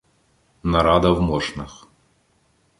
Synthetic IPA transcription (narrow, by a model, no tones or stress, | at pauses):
nɐɾɑd̪ɐwmɔʃnɐx